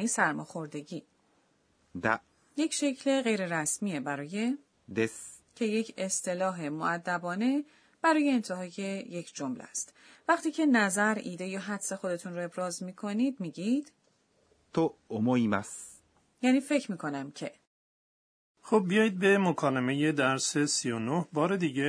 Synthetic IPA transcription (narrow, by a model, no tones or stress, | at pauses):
niːsæɾmɒːxo̞ɾd̪e̞ɟiː | d̪æ̰ | je̞cʃe̞cʰle̞ɣe̞jɾe̞ɾæsmiːebæɾɒːje̞ | d̪escʰe̞je̞cʰest̪ʰe̞lɒːɦe̞moæd̪ːæbɒːne̞ | b̥æɾɒːje̞ːnt̪ʰeɦɒːje̞je̞cʰd͡ʒomlæ̰st̪ | væχt̪iːcʰe̞næzæɾḭːd̪ejɒɦæd̪̥se̞xo̞d̪e̞t̪ʰunɾɔe̞bɾɒːzmiːkʰo̞niːd̪miːɟid̪̥ | t̪oomoima̰s | jæːniːfe̞cʰɾmiːkʰo̞næmcʰe̞ | xob̚ːijɒːjid̪̚be̞mokʰɒːleme̞je̞d̪æɾse̞sijonohbɒːɾe̞d̪iɟe